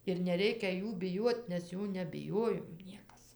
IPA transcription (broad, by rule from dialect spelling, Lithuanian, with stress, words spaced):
ɪr nʲɛˈrʲɛɪkʲɛ ˈjuː bʲɪˈjuɔt nʲɛs ˈjuː nʲɛbʲɪˈjoːjoːm ˈnʲiɛkɐs